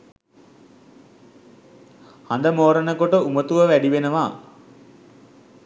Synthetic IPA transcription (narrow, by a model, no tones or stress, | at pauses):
hand̪əmoːɾənəkoʈəumət̪uʋəʋæɖiʋenəʋaː